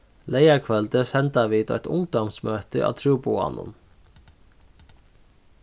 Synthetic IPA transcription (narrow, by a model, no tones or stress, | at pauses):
leɪakʰʋɛld̪əsɛnd̪ɑʋiːd̪o̰ːɛ̰t̪ʰʊŋd̪ɔmsmøːt̪əʔɑ̰ːt̪ʰɾuːbʊɑ̰nʊ̰n